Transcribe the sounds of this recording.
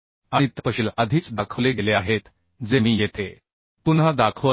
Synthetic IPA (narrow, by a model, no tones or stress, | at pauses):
aɽ̃it̪əpəɕiːləd̪ʱiːt͡sd̪akʰəʋleɡeleaɦet̪ | d͡zemiːjet̪e | t̪unɦad̪akʰəʋ